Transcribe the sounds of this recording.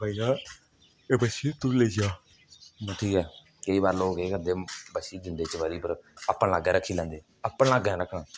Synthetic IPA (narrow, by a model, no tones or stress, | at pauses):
bʱaːijaː | eːbəʃiːt̪ʊleːd͡ʒjaː | ʈʰiːkɛː | kəiːbaːɾloːɡeːkənd̪eːbəʃiːd͡ʒɪnd̪eːt͡ʃʋaːɾiːpəɾəpːãlaːɡɛ̃ːɾəkʰːiːlɛ̃ːnd̪eː | əpːənlaːɡɛ̃ːɾəkʰːnãː